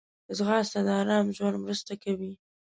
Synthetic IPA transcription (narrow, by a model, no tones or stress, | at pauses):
əzɣɑst̪ad̪əɑɾɑmʒwand̪mɾəst̪akawi